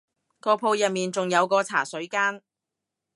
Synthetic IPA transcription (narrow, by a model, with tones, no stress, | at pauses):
kɔː˧pʰo˧wjɐ˨t̚miː˨nt͡sʊ˨ŋjɐ˨˧wkɔː˧t͡sʰaː˨˩sɵ˨˥ɥkaː˥n